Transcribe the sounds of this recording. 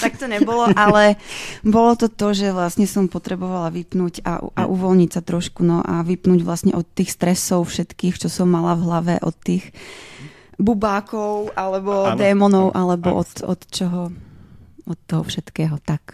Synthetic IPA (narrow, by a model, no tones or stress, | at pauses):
t̪ak̚t̪ɔɲɛbɔlɔʔalɛbɔlɔt̪ɔt̪ɔʒɛʋlasɲɛsɔmpɔt̪ɾɛbɔʋalaʋipnuːɟa̰ʔʔa̰ʔuʋɔlɲicsat̪ɾɔʃkunɔʔaʋipnuːɟʋlasɲɛ̰ʔɔt̪ːiːxst̪ɾɛsɔʊfʃɛt̪kiːxt͡ʃɔsɔmːalavɦlaʋɛʔɔ̰t̪ːiːx | bubaːkɔʊʔalɛbɔd̪ɛːmɔnɔʊʔalɛbɔ̰ʔɔt̪ɔ̰t̪t͡ʃɔɦɔ | ɔt̪ːɔɦɔfʃɛt̪kɛːɦɔt̪ak